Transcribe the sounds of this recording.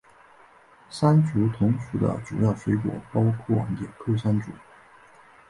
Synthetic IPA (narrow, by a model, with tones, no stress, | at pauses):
sa˥nt͡su˧˥t̪ʰʊ˧˥ŋʂu˧˥d̪ə̰˧ʈ͡ʂu˨˩jɑ˥˩ʊʂwe˧˥ɪkwɔ̰˨˩pɑ˥ʊkʰwɔ˥˩wa̰˧˥nt̪jɛ̰˨˩nkʰɤ˥˩ʂa˥nʈ͡ʂṵ˧˥